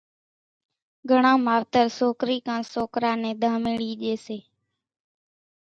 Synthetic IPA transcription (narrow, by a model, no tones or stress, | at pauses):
ɡʱəɳãːmaːʋt̪əɾsoːkɾiːkãːsoːkɾãːnẽːd̪ʱãːmeːɽiːʄeːseː